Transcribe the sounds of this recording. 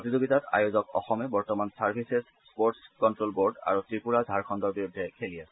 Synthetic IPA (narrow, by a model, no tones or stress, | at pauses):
pɹotizoɡitata̰jozɔkɔ̰xɔmɛbɔɹtɔmansaɹpʰises | spoɹtskɔntɹolboɹɖa̰ɹutɹipuɹadʱaɹkʰɔndɔɹbiɹudʱːɛkʰelijas